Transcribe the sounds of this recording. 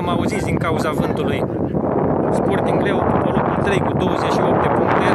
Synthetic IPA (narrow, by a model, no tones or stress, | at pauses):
mauzit̪sd̪iŋkauzavɨnt̪uluj | sport̪ɨŋɡɾe̞wpopoluput̪ɾe̞jkud̪o̞wəzeʃio̞p̚t̪epuŋkt̪e